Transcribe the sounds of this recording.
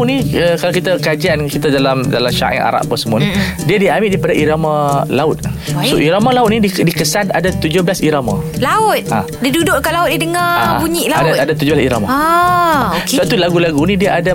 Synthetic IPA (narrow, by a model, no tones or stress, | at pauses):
uniəkalakit̪akad͡ʒiankit̪adalamda̰lamʃa̰ʔŋa̰ɾa̰ʔpəsəmuanidiadiamɪʔdaipadaʔiɾamãlaʊt̪̚soʔiɾamalaʊt̪̚niidikəsanadat̪ud͡ʒohbəlasiɾamã̰laʊt̪̚ã̰ | diadudʊʔkaʔlaʊt̪̚idəŋabuɲiʔlaadaadat̪ud͡ʒʊblasiɾamaa | okat̪ulaɡulaɡunidiaʔada